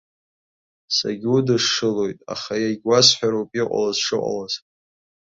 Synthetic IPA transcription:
sa̰ɡʲudɨʂːɨlo̞jtʼa̰χajaɡʲwasħʷᶣaɾowpʼiqʷʼa̰lazʂɨqʷʼa̰laz

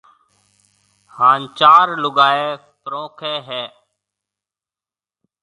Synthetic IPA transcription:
haːnt͡ʃaːɾlʊɡaːeː | pɾõːkʰeːɦɛː

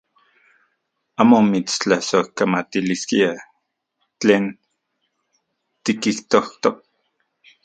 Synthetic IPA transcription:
aːmomit͡st͡ɬahsohkamat̪iliskia | t͡ɬeːn | t̪ikiht̪oht̪ok

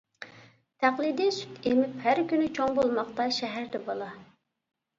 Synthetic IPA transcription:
t̪ʰæχlˠid̪isy̥t̪emɪphæɾkʲynɪt͡ʃʰoŋbolˠmɑχt̪ɑʃɛɦæɾd̪ɛbɑlˠɑ

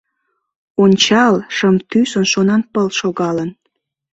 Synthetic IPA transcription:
onʲt͡ɕɑlʃəmt̪ysonʃonɑnpəlʃoɣɑlən

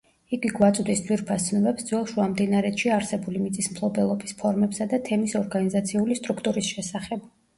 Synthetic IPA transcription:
iɡiɡwat̪sʼd̪isd̪wiɾpʰast̪sʰnɔbɛpsd̪zwɛlˠʃuamd̪inaɾɛt̪ʃiaɾsɛbulimit̪sʼismpʰlˠɔbɛlˠɔbispʰɔɾmɛpsad̪at̪ʰɛmisɔɾɡanizat̪sʰiulist̪ʼɾukʰt̪ʼuɾisʃɛsaχɛb̥

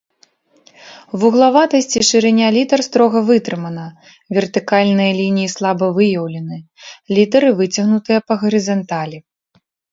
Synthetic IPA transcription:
vuɣlˠavat̪ɐsʲt͡sʲiʂɨɾɛnʲalʲit̪ɐrst̪ɾɔɣɐvɨt̪ɾɨmɐnɐ | vʲɛrt̪ɨkalʲnɨjɐlʲinʲijislˠabɐvɨjɐwlʲɐnɨ | lʲit̪ɐɾɨvɨt͡sʲɐɣnut̪ɨjɐpɐɣɐɾɨzɐnt̪alʲi

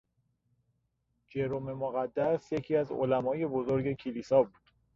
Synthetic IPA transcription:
d͡ʒe̞ɾome̞moɣæd̪ːæsje̞cʰiːæzo̰læmɒːje̞bozoɾɟe̞cʰilisɒːbuːd̪̥

